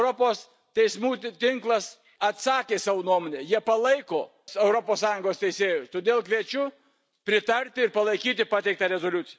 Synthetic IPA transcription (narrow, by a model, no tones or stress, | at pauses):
ʊɾopoːs | t̪ʲɛɪsmuːt̪ʲɪŋklˠɐs | ɐt̪sɑːkʲeːsɑːʋonuɔmoːnʲeːjiɛpɐlˠɐɪkoː | sɛʊɾopoːssɑːjʊŋɡoːst̪ʲɛɪsʲeːjʊst̪oːd̪ʲeːlˠkʋʲiɛt͡ʃʲʊ | pʲɾʲɪt̪ɐɾʲt̪ʲɪɪɾpɐlˠɐɪkʲiːt̪ʲɪpɑːt̪ʲɛɪk̚t̪ɐɾʲɛzoːlʲʊt̪ʲɪjɛ